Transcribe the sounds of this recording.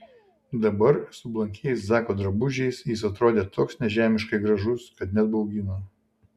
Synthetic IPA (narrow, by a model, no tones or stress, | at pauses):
d̪ɐbɐɾsʊblˠɐŋʲkʲɛjɛɪszɑːkoːd̪ɾɐbʊʒʲɛɪsjɪs̬ɐt̪ɾoːd̪ʲeːt̪oːksnʲɛʒʲæːmʲɪʃkɐɪɡɾɐʒʊskɐt̪nʲɛd̪̚bɔʊɡʲino